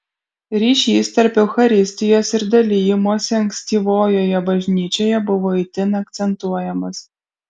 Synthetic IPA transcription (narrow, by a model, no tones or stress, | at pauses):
ɾʲiʃʲist̪ʲɐrpʲɛwxɐɾʲisʲt̪ʲɪjosʲɪrd̪ɐlʲijɪmoːsʲɛŋksʲt̪ʲiʋojɔjɛbɐʒʲnʲit͡ʃʲojɛbuʋoit̪ʲɪnɐk̚t̪sʲɛnt̪uɔjɛmɐs